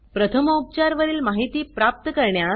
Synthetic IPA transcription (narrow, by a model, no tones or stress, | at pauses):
pɾət̪ʰəməup̚t͡ɕaɾʋəɾiːlmaɦit̪iːpɾap̚t̪əkəɾɳja